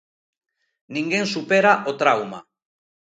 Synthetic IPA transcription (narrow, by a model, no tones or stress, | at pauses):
niŋɡensupe̞ɾaʔot̪ɾawma̰